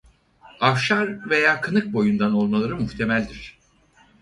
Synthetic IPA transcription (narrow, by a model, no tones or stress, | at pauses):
afʃaɾve̞jaːkʰɯnɯk̚bo̞jund̪ano̞lˠmalˠaɾɯmuxt̪ʰe̞mælʲd̪iɾ̥